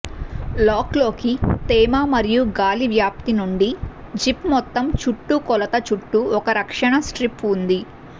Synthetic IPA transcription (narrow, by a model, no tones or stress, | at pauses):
lɔːklo̞ːkit̪ɛːmaːmɐɾijuɡaːliʋjaːp̚t̪inuɳɖid͡ʒipmɔt̪ːɐmt͡ʃuʈːukɔlɐt̪ɐt͡ʃuʈːuɔkɐɾɐkʂɐɳɐsʈɾipund̪i